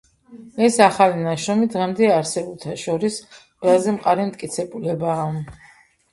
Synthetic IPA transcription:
ɛsaχalinaʃɾɔmid̪ʁɛmd̪ɛaɾsɛbulˠt̪ʰaʃɔɾisqʼwɛlazɛmqʼaɾɛmt̪ʼkʼit̪sʰɛbulɛbaː

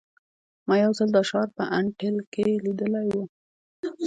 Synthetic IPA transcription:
mɑjawzəld̪əʃɑɾpə̰ʔaɳʈɪlkelid̪əlajwu

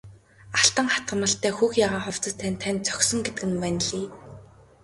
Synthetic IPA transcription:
aɬt̪ə̆ŋχḁt̪ɢə̆mə̆ɬt̪æːxuːxjaʁaːχʊwt͡sə̆st̪ʰænt̪ʰːænʲt͡sœ̥xsɞ̆ŋɡet̪ɘ̆kɘ̆npænɮiː

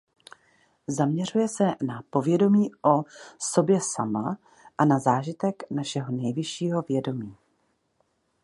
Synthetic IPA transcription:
zamɲɛr̝ujɛsɛnapo̞vjɛdo̞miːʔoso̞bjɛsama | ʔanazaːʒɪt̪ɛknaʃɛɦo̞nɛjvɪʃiːɦo̞vjɛdo̞miː

